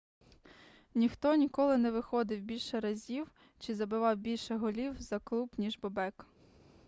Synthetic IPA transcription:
nʲixt̪ɔnʲikɔlˠɪnɛʋɪxɔd̪ɪwbʲilʲʃɛɾɐzʲiw | t͡ʃɪzɐbɪʋɑwbʲilʲʃɛɦɔlʲiwzɐklˠubnʲiʒbɔbɛk

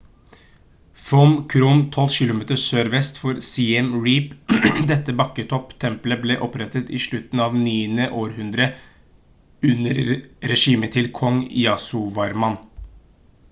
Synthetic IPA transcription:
fɔmkʰɾuːnt̪ʰɔlʃɪlʊmeːt̪əsøːɾʋɛst̪fɔɾsiːɛmɹiːpd̪ɛt̪ːəbɑkːət̪ʰɔpt̪ʰɛmpləblɛːʔɔpɾɛt̪ət̪ɪʂɭʉt̪n̩ɑːʋniːənəʔoːɾhʉnd̪ɾə | ʉnəɾɾɛʂiːmət̪ʰɪlkʰɔŋjɑsʊʋɑɾmɑn

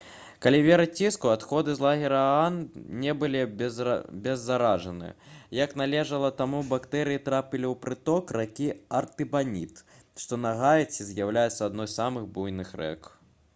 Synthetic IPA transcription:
kalʲivʲɛɾɐt͡sʲːiskuat̪xɔd̪ɨzlˠaɣʲiɾɐannʲɛbɨlʲi | bʲɛzːaɾaʐɐnɨ̰jɐknalʲɛʐɐlˠɐt̪amubakt̪ɛɾɨjit̪ɾapʲilʲiwpɾɨt̪ɔkrakʲiɐrt̪ɨbanʲḭt̪ | ʂt̪ɔnɐɣajɛt͡sʲizʲjawlʲajɛt̪sːɐːd̪nɔjsamɨɣbujnɨxrɛ̰k

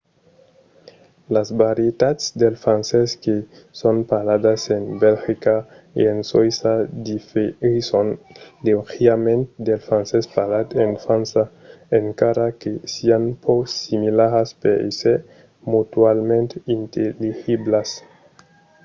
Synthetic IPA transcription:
lazbaɾjet̪at̪sd̪elfɾanseske | sonpalad̪asenbelxika | ḛensojsad̪ifisond̪exiamẽnt̪d̪elfɾansespalat̪enfɾansa | eŋkaɾakesianpʰosimilaɾaspeḭse | mut̪walmẽnt̪eint̪elixiblas

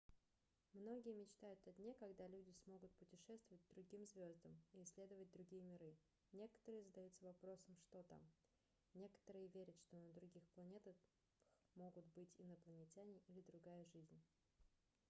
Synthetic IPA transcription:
mno̞ɡʲɪjəmʲɪt͡ɕt̪ajʊt̪ɐdʲnʲekɐɡd̪alʲudʲɪsmo̞ɡʊt̪̚pʊtʲɪʂɛst̪vəvət̚ʲd̪ɾʊɡʲimzvʲo̞zd̪əmiɪsʲːlʲe̞d̪əvət̚ʲd̪ɾʊɡʲijəmʲɪɾɨ | nʲe̞kə̥t̪əɾɨjəzəd̪ɐjut̪səvɐpɾo̞səmʂt̪o̞t̪a̰m | nʲe̞kə̥t̪əɾɨjəvʲeɾʲət̪ʂt̪o̞nəd̪ɾʊɡʲixplˠɐnʲe̞t̪ə | x | mo̞ɡʊt̪bɨtʲɪnəplˠənʲɪtʲanʲɪʔilʲɪd̪ɾʊɡajəʐɨzʲnʲ

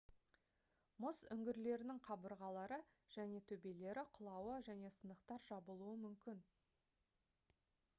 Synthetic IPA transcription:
mʊzʏŋɡʲɪɾle̞ɾɪnɪŋqʰɑbəɾʁɑlˠɑɾəʒ̥æne̞t̪ʰɵbe̞le̞ɾɪqʰʊlˠɑwəʒæne̞sənəqt̪ɑɾʒɑbəlˠuəmʏmkʲɪn

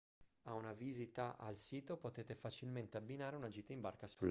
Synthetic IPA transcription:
aunaviːzit̪aʔa̰lsiːt̪opot̪eːt̪efat͡ʃilment̪eabːinaːɾeunad͡ʒiːt̪aimbarkasul

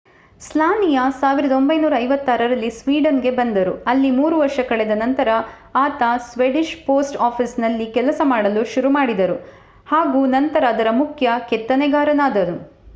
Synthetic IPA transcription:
slaːnijɐsaːʋiɾɐd̪ɐo̞mbɐjnuːɾɐːjʋɐt̪ːaːɾɐɾɐlːisʋiːɖɐnɡe̞bɐnd̪ɐɾuɐlːimuːɾuʋɐɾʂɐkɐɭɛd̪ɐnɐnt̪ɐɾɐ | aːt̪ɐsʋeɖiʃpoːsʈaːpʰisnɐlːikɛlɐsɐmaːɽɐluʃuɾumaːɽid̪ɐɾu | haːɡuːnɐnt̪ɐɾaːd̪ɐɾɐmukʰjɐket̪ːɐneɡaːɾɐnaːd̪ɐnu

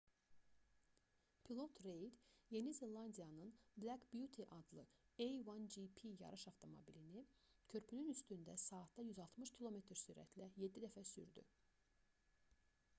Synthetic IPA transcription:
pʰilˠo̞t̪ʰɾe̞jd̪je̞nizelˠɑnd̪ijɑnɯnblʲækbjut̪ʰiʔɑd̪lˠɯejwɑnd͡ʒipʰijɑ̰ɾɯʃɑft̪ʰo̞mo̰bilini | cʰø̞ɾpʰynynyst̪ynd̪æsɑːt̪d̪ɑjyzɑlˠt̪ʰmɯʃcʰilˠo̞me̞t̪ʰɾsyːɾæ̰t̪ʰlæje̞d̪ːid̪æfæsy̰ɾd̪y̰

